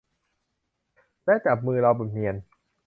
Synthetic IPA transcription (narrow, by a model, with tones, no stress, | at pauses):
laː˥˩t͡ɕa˨˩p̚mɯː˧ɾa˧wba˨˩mi˧ən